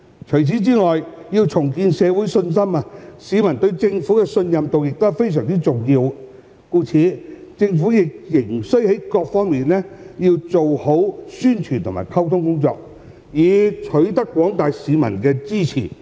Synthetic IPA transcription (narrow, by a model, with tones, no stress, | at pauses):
t͡ʃʰɵ˨˩jt͡sʰiː˨˥t͡siː˥ŋɔː˨jjiː˧wt͡sʰʊ˨˩ŋkiː˧nsɛː˨˧wu˨˥jsɵ˧nsɐ˥ma˧siː˨˧mɐ˨˩nt̪ɵ˧ɥt͡sɪ˧ŋfuː˨˥kɛ˧sɵ˧njɐ˨mt̪o˨wjɪ˨k̚t̪o˥˨˩fe˥js̬œː˨˩ŋt͡si˥t͡sʊ˨ŋjiː˧w | kuː˧t͡sʰiː˨˥t͡sɪ˧ŋfu˨˥jɪ˨k̚jɪ˨˩ŋsɵ˥ɥhe˨˥jkɔː˧k̚fɔː˥ŋmiː˨nlɛː˥jiː˧wt͡so˨who˨˥wsyː˥nt͡ʃʰyː˨˩nt̪ʰʊ˨˩ma̰ː˨˩jkʰɐ˥wt̪ʰʊ˥ŋkʊ˥ŋt͡sɔ̰ː˧k̚ | jiː˨˧t͡ʃʰɵ˨˥t̪ɐ˥kːwɔː˨˥ŋt̪aː˨jsiː˨˧mɐ̰˨˩nkɛː˧t͡siː˥t͡sʰḭː˨˩